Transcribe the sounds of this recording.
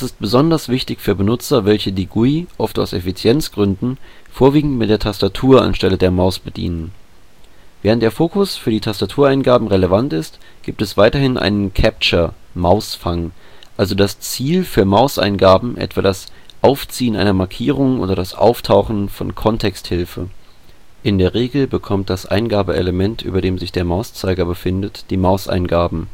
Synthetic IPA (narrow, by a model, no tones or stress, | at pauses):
d̥asɪst̚b̥əzɔndɐsv̥ɪçtɪçfyːɐbənʊt͡sɐvɛlçədiːɡuiʔɔftaʊsefit͡sjɛnt͡sɡ̥ʁʏndn̩ | foːɐviːɡŋ̩tmɪt̚d̥eːɐtʰastatʰuːɐa̰nʃtɛlədeːɐmaʊsb̥ədḭːnən | v̥ɛːʁəntd̥eːɐfoːkʊsfyːɐdiːtʰastatʰuːɐaɪnɡaːbm̩ʁeləvantɪstɡ̥iːp̚tɛsv̥aɪtɐhɪnʔa̰ɪnənkʰɛp̚t͡ʃɐmaʊsfaŋ | ʔalzodast͡siːlfyːɐmaʊsʔa̰ɪnɡaːbm̩ʔɛ̰tv̥aːdasʔaʊft͡siːənʔa̰ɪnɐmaɐkʰiːʁ̞ʊŋʔo̰ːdɐɾasʔa̰ʊftʰaʊxn̩fɔnkʰɔntʰɛksthɪlfə̰ | ʔɪndeːɐʁ̞eːɡl̩bəkʰɔmt̚d̥asʔa̰ɪnɡaːbəʔḛləmɛntʔy̰ːbɐɾdeːmzɪçd̥eːɐmaʊst͡saɪɡɐbəfɪndətd̥iːmaʊsʔa̰ɪnɡaːbm̩